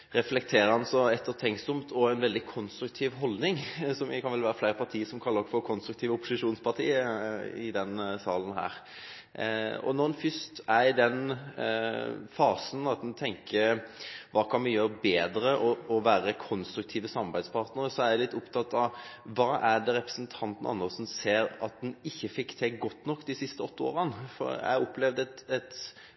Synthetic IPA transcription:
ɾɛflɛk̚t̪ʰeːɾəɾhɑnsɔɛt̪ʰːət̪ʰɛŋsɔmt̪ʰɔæɪnʋɛld̪ɪkʰɔnst̪ɾʉk̚t̪ʰiːʋɦɔld̪nɪŋsɔmjkʰɑnʋɛlʋæːɾəflæɪɾəpʰɑɾt̪ʰiːəsɔmkʰɑlːəɾfɔɾkʰɔnst̪ɾʉk̚t̪ʰiːʋəʊpːʊsɪʂuːnspʰɑʁt̪ʰiːəɪ̰d̪ɛnsɑːlən̩ɦæ̰ːɾ | ɔ̰nɔnfʏst̪æd̪ɛn | fɑːsnɑt̪̚d̪ɛnt̪ʰɛŋkʰəɾʋɑːkʰɑnmɪjøːɾbeːd̪ɾəʔɔɔʋæːɾəkʰɔnst̪ɾʉk̚t̪ʰiːʋəsɑmɑɾbæɪd̪spʰɑːɾt̪nəɾəsɔæɾælɪt̪ːʊpt̪ʰɑt̪ːɑʋʋɑːʔæɖɛɾɛpɾə̥snt̪ʰɑnt̪n̩ʔɑ̰nːəsɔmseːɾɑt̪̚d̪ɛnɪçːəfɪkːt̪ʰɛɡɔt̪ːnɔkːd̪ɪsɪst̪əɔt̪ʰːəo̰ːɾənfɔ̰ɾæ̰ɪɑɾʊpːlɛʋd̪ɛt̪ɛt̪

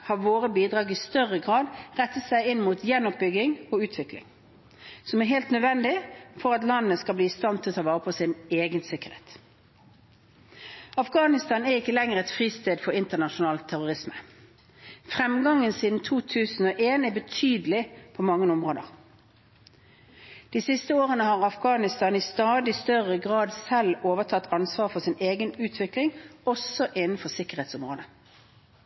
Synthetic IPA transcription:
hɑʋoːʁəbiːd̪ʁɑːɡɪst̪œʁəɡʁɑːd̪ʁɛt̪ːət̪sæɪɪnmuːt̪jɛnːɔp̚bʏɡɪŋɔʉːt̪ʰʋɪklɪ̰ŋ | sɔmæɦeːlt̪nœd̪ʋɛnd̪ɪfɔʁɑt̪lɑnːəskɑlbliːst̪ɑnt̪ʰːɪlt̪ʰɑʋɑːʁəpʰɔsɪneːɡənsɪkəʁḛːt̪ | ɑfɡɑːnɪst̪ɑːnæɪkːəlɛŋəʁɛt̪fʁiːst̪eːd̪fɔʁɪnt̪ənɑʃʊnɑːlt̪ʰːæʁʊʁɪsmə̥ | fʁɛmɡɑŋːənsiːd̪n̩t̪ʰuːt̪ʰʉːsn̩oːʔeːnɛbət̪ʰyːd̪əlɪpʰomɑŋːənʊmʁoːd̪əʁ | d̪̥iːsɪst̪əoːʁənəhɑːʁɑfɡɑːnɪst̪ɑːnɪst̪ɑːd̪ɪst̪œʁəɡʁɑːd̪sɛloːʋət̪ʰɑt̪ːɑnsʋɑːʁfɔʁsɪneːɡənʉːt̪ʰʋɪklɪŋɔsɔʔɪnən̩fɔsɪkəʁeːt̪sʊmʁoːd̪ə

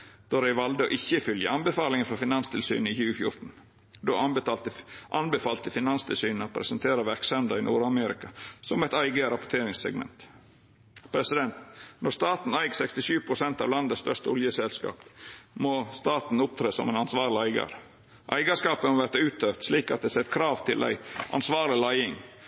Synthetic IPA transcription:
d̪̥oɾæɪʋɑld̪əo̰ːʔɪçːəfʏljə̰ɑnbəfɑːlɪŋənfɔɾfɪnɑnst̪ʰɪlsy̰ːnɪçʉːfjʊ̰ɾt̪n̩ | d̪o̰ɑɑt̪əʔɑnbəfɑːlt̪əfɪnɑnst̪ʰɪlsyːnəɔpʰɾɛ̰sənt̪ʰeːɾəʋæɾksɑmd̪ɑɪnuːɾɑmeɾɪ̰kɑsɔmɛɪt̪æɪɡəɾɑpʊt̪ʰeːɾɪŋsɛ̰ɡmɛ̰nt̪ | pʰɾɛsɪd̪ɛnt̪nɔst̪ɑːt̪n̩æɪɡsɛkst̪ɪʃyːʋpʰɾʊsɛnt̪ɑːʋlɑnd̪əst̪œʂt̪əɔljəsɛlskɑ̰ːpmoːst̪ɑːt̪n̩ʊp̚t̪ʰɾeːsɔ̰mænɑnsʋɑːɾɭɪæɪɡɑ̰ɾ | ʔæ̰ɪɡɑskɑːpəmoːʋæɾt̪ʉːt̪̚øft̪sliːkɑt̪̚d̪ɛsɛt̪kʰɾɑːʋt̪ʰɪlʔæ̰ɪʔɑ̰nsʋɑːɾlɪlæɪɪŋ

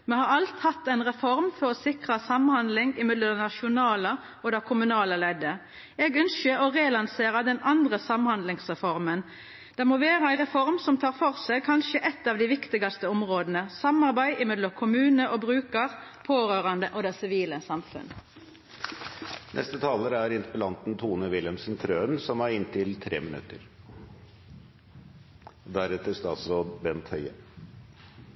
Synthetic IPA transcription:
mɛhɑɾɑlt̪hɑt̪ːɛnʁɛfɔɾmfɔɾɔsɪkʁɑsɑmhɑnd̪lɪŋɪmɪd̪ləd̪ɛnɑʃʊnɑːlə | ɔd̪ɛkʰʊmʉnɑːləlɛd̪ə | ɛɡœnʃəɔʁeːlɑnseːɾɑd̪ɛnɑnd̪ʁəsɑmhɑnd̪lɪŋsʁɛfɔʁmən | d̪̥ɛmoːʋeːʁəæɪʁɛfɔʁmsɔmt̪ʰɑːɾfɔʁsɛkʰɑnʃəʔɛt̪ːɑːʋd̪ɪʋɪkt̪ɪɡɑst̪əɔmʁoːd̪nəsɑmɑʁbæɪʔɪmɛd̪lɔkʰʊmʉːnəʔobʁʉːkəʁpʰoːɾøːʁɑnd̪əʔod̪ɛsɪʋiːləsɑmfʉ̰n | nʔɛ̰st̪ət̪ʰɑːləɾæɾɪnt̪əpəlɑnt̪n̩t̪ʰuːnəʋɪlɛmsnt̪ʰɾøːənsɔmæɾɪnt̪ʰɪlt̪ʰɾḛːmɪnʉ̰t̪ːəɾ | d̪æɾɛt̪əst̪ɑsobɛnt̪hœʏə

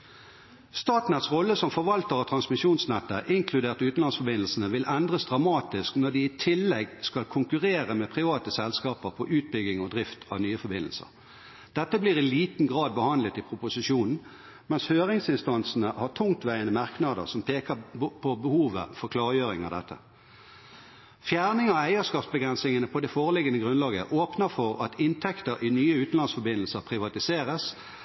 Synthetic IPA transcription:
st̪ɑːt̪nɛt̪sʁɔlːəsɔmfɔʁʋɑlt̪əʁɔt̪ʰʁɑnsmɪʃuːnsnɛt̪ːəʔɪŋkʰlʉd̪eːʁt̪ʉːt̪n̩lɑnsfɔbɪnl̩sənəʋɪlʔɛnd̪ʁəsd̪ʁɑmɑːt̪ɪsknɔɖ̪ɪːt̪ʰɪlːɛɡskɑlkʰʊŋkʉʁeːʁəmɛpʰʁɪʋɑːt̪əsɛlskɑːpəʁpʰɔʔʉːt̪̚bʏɡɪŋɔd̪ʁɪft̪ʰɑʋnyːəfɔɾbɪnl̩sə̰ʁ | d̪̥ɛt̪ːəbliːʁɪliːt̪n̩ɡʁɑːd̪̚bəhɑnlət̪ɪpʰʁʊpʊsɪʃuːnn̩ | mɛnshøːʁɪŋsɪnst̪ɑnsn̩əhɑʁʈʰʊŋt̪ʋæɪənəmɑʁknɑd̪ə̰ʁsɔmpʰeːkəpʰɔbəhuːʋə̰fɔʁkʰlɑːʁjøːʁɪŋɑ̰ʋd̪ɛt̪ːə̰ | fjæːʁnɪŋɑæɪəskɑːpsbəɡʁɛnsɪŋənəpʰɔd̪ɛfoːʁəlɪɡənəɡʁʉnlɑːɡə̰ʔoːpnəfɔʁɑt̪ʰɪnt̪ʰɛkt̪əɾʔɪnyːəʉːt̪n̩lɑnsfɔbɪnəl̩səʁpʰʁɪʋɑt̪ɪseːʁəs

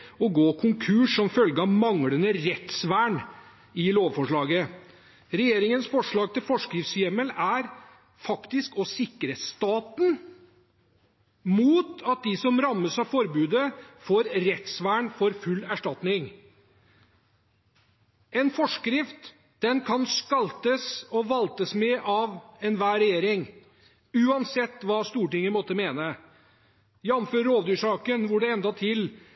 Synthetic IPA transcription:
ɔɡoːkʰʊŋkʰʉːʂɔmfœlɡəɑʋmɑŋɽənəɾɛt̪sʋæːɳ | ɪloːʋfɔʂɭɑːɡə | ɾɛjeːɾɪŋənsfɔʂɭɑːɡ̚t̪ʰɪlfɔʂkɾɪft̪sjɛməlæɾ | fɑkt̪ɪskɔsɪkɾəst̪ɑːt̪n | muːt̪ɑt̪̚d̪ɪsɔmɾɑmːəsɑfɔɾbʉːd̪əfoːɾɾɛt̪sʋæːɳfɔɾfʉlːæʂʈɑt̪nɪŋ | ɛnfɔʂkɾɪft̪ | d̪̥ɛnkʰɑnskɑlt̪əsɔʋɑlt̪əsmɛʔɑʋɛnʋæːɾɛjeːɾɪŋ | ʉːɑnsɛt̪ːʋɑːst̪uːʈɪŋːənmɔt̪ːəmeːnə | jæɑnføːɾoːd̪ʉːʂɑːkənʋʊɖɛɛnd̪ɑt̪ʰɪl

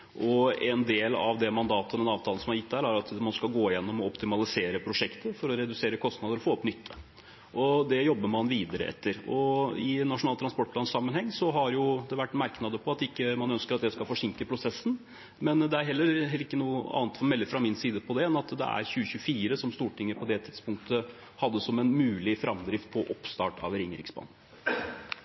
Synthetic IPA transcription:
ʔɔɛnd̪eːlɑ̰ʋd̪ɛmɑnd̪ɑːt̪əɔd̪ɛnɑːʋt̪ʰɑln̩sɔmhɑɾjɪt̪ːd̪æɾæɾɑt̪mɑnskɑlɡoːɪjɛnːɔmɔɔpt̪ɪmɑlɪseːɾəpʰɾʊʂɛkt̪əfɔɾɔɾɛd̪ʉseːɾəkʰɔst̪nɑd̪əɾɔfoːɔpnʏt̪ʰːə | ʔɔd̪ɛjɔbːəɾmɑnʋiːd̪əɾə̰ʔɛ̰t̪ːəɾɔɪnːɑʂʊnɑːlt̪ʰɾɑspɔʈpʰlɑːnsɑmːənhɛŋːsɔɦɑɾjʊd̪ɛʋæʈːmæɾknɑd̪əpʰɔɑt̪ɪkːəmɑnœnskəɾɑt̪̚d̪ɛskɑlfɔʂɪŋkəpʰɾʊsɛsn̩ | mɛnd̪ɛæɾɦɛlːəɾɛɪkːənuːəɑ̰ːnt̪fɔɾɔmɛlːəfɾɑmɪnsiːd̪əpʰɔd̪ɛɛnɑt̪d̪ɛ̰æ̰ɾçʉːəçʉfiːɾəsɔmst̪uːʈɪŋːəɾpʰɔd̪ɛt̪ʰɪd̪spʰʊŋk̚t̪ʰə | hɑd̪ːəsɔmɛnmʉːlɪfɾʔɑmd̪ɾɪft̪̚pʰɔʔɔpst̪ɑːʈɑ̰ʋɾɪŋːəɾɪ̰ksbɑ̰ːn̩

